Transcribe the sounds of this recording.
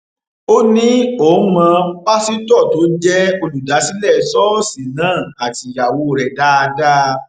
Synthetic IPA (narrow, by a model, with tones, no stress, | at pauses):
o˦nĩ˦o˨˦mã˧k͡pa˦si˦tɔ˦˨to˨˦d͡ʒɛ˦o˧lu˨da˨˦si˦lɛ˦˨sɔ˦sĩ˨nãː˦˨a˨ti˨ja˨wo˨˧ɾɛ˨da˦a˧da˦